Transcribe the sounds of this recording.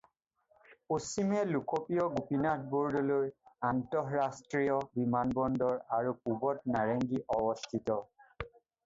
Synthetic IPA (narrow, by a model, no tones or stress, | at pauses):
posimɛlukopijɔɡupinat̚ʰbuɹdɔlojantɔɦɹastɹijɔbimanbɔndɔɹaɹukubɔt̚naɹeŋɡiʔɔbɔstʰitɔ